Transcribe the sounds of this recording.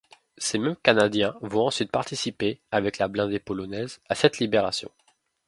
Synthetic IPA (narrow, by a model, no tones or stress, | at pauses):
semɛmkanad̪jɛ̃vɔ̃ɑ̃sɥit̪̚paʁt̪isipeavɛklablɛ̃d̪epɔlɔnɛzasɛt̪libeʁa̰sjɔ̰̃